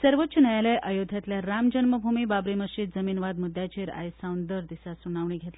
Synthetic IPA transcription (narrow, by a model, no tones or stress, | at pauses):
səɾʋətɕʰənajalaʔəjod̪ʱjat̪ljaɾamd͡ʑənməbʱumiːbabɾiməɕiːd̪̚d͡zəmiːnʋad̪mud̪ʱːjat͡ɕeɾa̰jsawnd̪əɾd̪isasunaʋɳ̃iːɡʱet̪a